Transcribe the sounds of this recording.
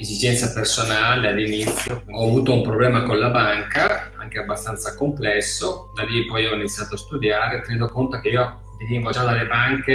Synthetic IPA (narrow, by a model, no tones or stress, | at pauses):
ezid͡ʒɛnt̪sapersonaːlealːinit̪sːjoɔavuːt̪oumpɾoblɛːmakonlabaŋkaa̰ŋkeabːast̪ant̪sakomplɛsːod̪alːipɔjɔinit̪sːjaːt̪oast̪ud̪jaːɾet̪ːened̪okont̪ok̟eiːo | d̪iviŋɡod͡ʒad̪alːebaŋke